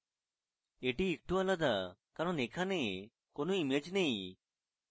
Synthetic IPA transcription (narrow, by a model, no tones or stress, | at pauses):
eʈiːk̚ʈualad̪akaɾɔnekʰane | konoimed͡ʒnej̃